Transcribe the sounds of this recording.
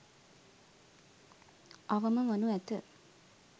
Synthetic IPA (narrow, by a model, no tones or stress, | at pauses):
aʋəməʋənuæt̪ə